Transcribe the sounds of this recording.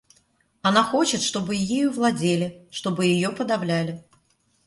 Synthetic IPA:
ɐnaxo̞t͡ɕɪt̪ʂt̪o̞bɨjejuvlˠɐdʲelʲɪʂt̪o̞bɨjɪjopəd̪ɐvlʲælʲɪ

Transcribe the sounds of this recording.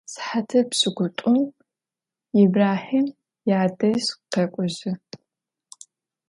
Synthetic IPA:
sħatʰɐpɕɨɡʷʊtʷʼʊm | ɪbraːħiːm | jaːdɐɕqɐkʷʼɔʑɪ

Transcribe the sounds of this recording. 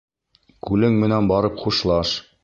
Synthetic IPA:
kʉlɘŋmɘ̆nænbɑɾɤpχuʃlˠɑʃ

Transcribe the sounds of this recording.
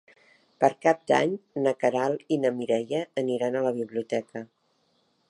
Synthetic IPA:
pəɾkap̚d̪a̰ɲnəkəɾalˠinəmiɾɛʎəːniɾanələβ̞iβliut̪ɛkə

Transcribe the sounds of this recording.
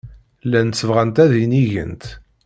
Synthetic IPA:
lːænsːəvʁænt̪æðiniʝə̰nt̪

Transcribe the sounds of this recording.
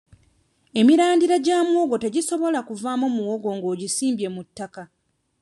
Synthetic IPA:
e̞miɾaːndiɾaɟaːmwoɡo̞teɟiso̞βo̞lakuvaːmomuwoɡo̞ːŋɡo̞ːɟisiːmbje̞mutːaka

